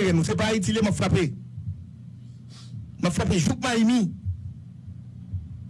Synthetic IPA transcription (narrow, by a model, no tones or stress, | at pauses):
ɣɛ̃nũsep̬aitilemãfɾape | mãfɾapeʒuk̚mãimĩ